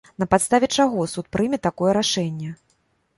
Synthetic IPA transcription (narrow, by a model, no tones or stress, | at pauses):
nɐpat̪st̪avʲɛt͡ʂaɣɔsut̪̚pɾɨmʲɛt̪ːakɔjɛɾaʂɛnʲːɛ